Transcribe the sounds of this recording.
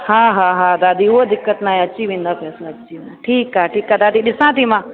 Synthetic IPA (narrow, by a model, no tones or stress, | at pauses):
haːɦaːɦãːd̪aːd̪iuod̪ɪkːət̪naːẽɐtːt͡ʃiʋĩnd̪apɛːsaɐtːt͡ʃimaʈʰiːkaːʈiːkad̪aːd̪iɗɪsãːt̪imãː